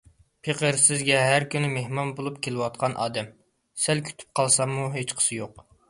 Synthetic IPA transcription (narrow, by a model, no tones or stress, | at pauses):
pʰeqəɾsɪzɡʲɛɦæɾkʲynɪmehmɑnbolˠupkʲʰelɪwɑt̪̚qʰɑnʔɑ̰ːd̪ɛm | sælkʲʰy̥t̪ʰy̥p̚qʰɑlˠsɑmːuɦet͡ʃqʰə̥sɨjoq̚